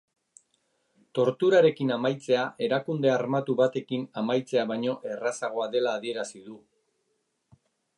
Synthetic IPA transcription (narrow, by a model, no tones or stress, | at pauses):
t̪o̞ɾt̪uɾaɾe̞kinamajt͡se̞aʔe̞ɾakund̪e̞aɾmat̪uβat̪e̞kinamajt͡se̞aβajɲo̞ʔe̞rasaɣ̞o̞aðe̞laːðie̞ɾasiðu